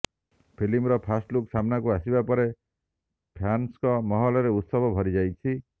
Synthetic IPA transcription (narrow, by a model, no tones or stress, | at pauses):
pʰilimɾɔpʰasʈluksamnakuasibapɔɾe | pʰanskɔmɔɦɔlɔɾeut̪sɔbɔbʱɔɾid͡ʒajt͡ʃʰi